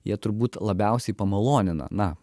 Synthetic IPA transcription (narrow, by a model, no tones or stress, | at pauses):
jiɛt̪ʊɾbuːt̪lˠɐbʲɛʊsʲɛɪpɐmɐlˠoːnʲɪnɐ̰nɐ